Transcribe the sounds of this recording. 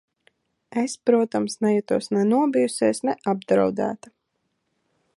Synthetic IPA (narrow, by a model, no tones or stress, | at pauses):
espɾuɔt̪amsnɛjɛt̪uɔsnɛnuɔbijuseːsnɛʔab̚d̪ɾa̰wd̪æ̰ːt̪a